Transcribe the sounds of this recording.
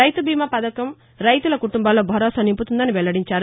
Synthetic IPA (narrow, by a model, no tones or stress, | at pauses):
ɐjt̪ubʱiːmɐpɐd̪ɐkɐm | ɾɐjt̪ulɐkuʈumbaːlːo̞ːbʱɐɾɔːsɐnimput̪und̪ɐniʋɛɭːɐɽiɲt͡ʃaːɾu